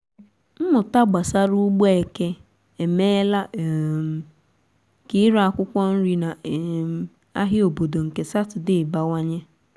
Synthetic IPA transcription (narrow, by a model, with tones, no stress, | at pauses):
m̩˦mʊ˨ta˦ɡ͡ba˨sa˦ɾu˦ɡ͡bo˦e˨ke˦ | e˨meː˦la˦ʔm̩˨ | kɪ˦ɾa˦kʷʊ˦kʷɔ˦n̩˦ɾi˦na˨m˨ | a̰˦ɦɪ˦o˨bo˨do˨ŋ̩˨ke˨sa˦tʊ˨dɪ˦˨ba˦wa˦ɲe˦